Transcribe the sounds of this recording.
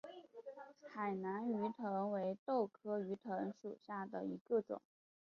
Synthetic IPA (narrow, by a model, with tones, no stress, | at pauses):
xa˨˩ɪna˧˥ny˧˥t̪ʰɤ˧˥ŋwe˧˥ɪt̪o˥˩ʊkʰɤ˥y˧˥t̪ʰɤ˧˥ŋʂṵ˨˩ɕja˥˩d̪ə̰˩i˧˥ɡə˧ʈ͡ʂʊ̰˨˩˦ŋ